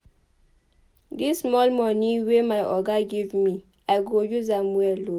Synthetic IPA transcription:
dismɔlmɔniwemajʔɔɡaɡivmi | aɪɡojuzamwɛlo

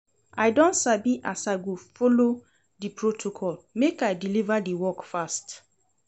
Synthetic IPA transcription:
ajdɔ̃ntsabiʔasaɪɡofolo | dipɹotʰokʰɔlmekajdilivadiwɔkfast

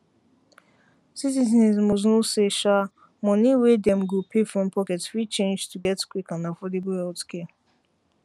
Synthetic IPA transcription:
sitizɛ̃nzmɔznuseʃa | mɔ̃niwedɛ̃mɡopʰefɹɔ̃mpʰɔkɛtswit͡ʃẽnd͡ʒtʰuɡɛtkwikɔ̃nafɔdeblhɛltkʰe

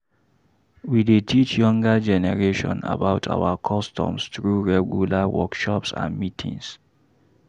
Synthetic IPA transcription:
widetʰit͡ʃjɔ̃ŋɡad͡ʒɛnɛɹeʃɔ̰̃na̰baʊtʰa̰wakʰɔstʰɔ̰̃msθɹuɹɛɡjulawɔkʃɔpsã̰nmitʰḭ̃ŋs

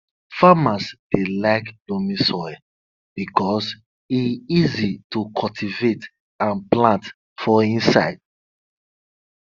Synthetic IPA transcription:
famasd̥elaɪklomĩsɔj | b̥ikʰɔs | iizitukʰɔltʰivet | ãnplãnt | fɔĩnsa̰ɪd̥̚

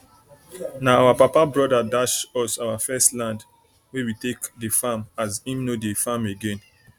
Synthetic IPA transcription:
naawapapabɹɔdadaʃɔsawafɛstlãnd | wewitekdefamazĩmnodefameɡẽn

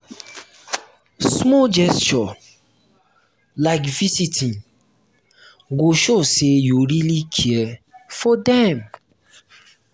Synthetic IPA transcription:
smɔd͡ʒɛst͡ʃɔ | laɪkvisitʰĩn | ɡoʃosejoɾilikʰiɛfɔdɛm

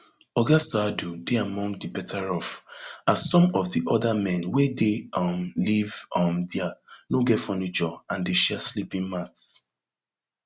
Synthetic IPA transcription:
ɔɡasadudeamɔ̃ŋɡdibɛtʰaɹɔfassɔ̃mɔvdiʔɔdamɛ̃nwedeɔmlivɔmdɛanoɡɛtfɔnit͡ʃɔãndeʃɛaslipĩnmats

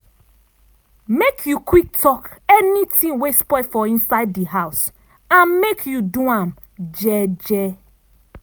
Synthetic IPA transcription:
mekʰjukʰwik̚tʰɔkɛnitĩŋwespɔɪfɔĩnsaɪddiɦaʊs | ãnmekʰjuduãm | d͡ʒɛd͡ʒɛ

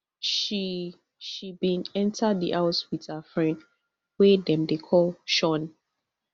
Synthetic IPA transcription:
ʃi | ʃibĩnɛ̃ntʰadiʔaʊswið̥həfɹɛ̃nd | wɛdɛ̃mdekʰɔlʃɔ̃n

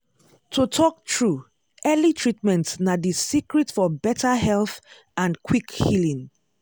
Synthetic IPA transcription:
tʰutʰɔk̚tʰɹu | ɛlitʰɹit̚mɛ̃ntnadisikɹitfɔbɛtʰaɦɛlθ | ãnkʰwikhilĩŋ

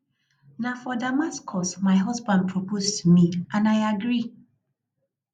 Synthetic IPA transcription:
nafɔdamaskʰɔsmaɪɦɔzbãnd̚pʰɹopostmiãnaɪaɡɹi

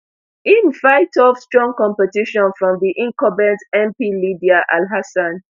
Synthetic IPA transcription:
ĩnvaɪtɔv̥stɹɔ̃ŋkɔ̃mpɛtiʃɔ̃nfɹɔ̃mðiʔĩŋkɔbɛ̃ntɛ̃mpilidiaʔalɦasãn

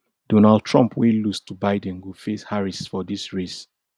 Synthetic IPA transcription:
d̥onald̚tʰɹɔ̃mpʰwelustubaɪdɛ̃nɡufeshaɹisfɔdisɹes

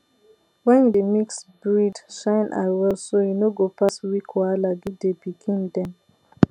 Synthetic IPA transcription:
wɛ̃ndemiksbɹidʃãɪ̃nʔa̰wɛlsojunoɡopaswikʰɔalaɡidebikʰĩndɛ̃m

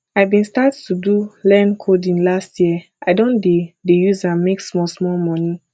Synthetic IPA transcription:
ajvbĩnstattʰudulɛnkʰodĩnlastʰjiə | aɪdõndedejuzãnmeksmɔlsmɔlmɔni

